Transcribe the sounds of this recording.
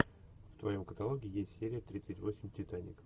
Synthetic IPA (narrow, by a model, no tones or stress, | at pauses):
ft̪vɐjo̞mkət̪ɐlˠo̞ɡʲɪːjesʲtʲsʲeɾʲɪjət̪ɾʲit̪sɨtʲvo̞sʲɪmʲtʲɪt̪anʲɪ̰k